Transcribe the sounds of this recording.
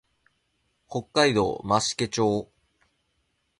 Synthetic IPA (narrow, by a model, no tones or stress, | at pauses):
ho̞kːaid̪o̞̰ːmaɕi̥ke̞t͡ɕo̞ː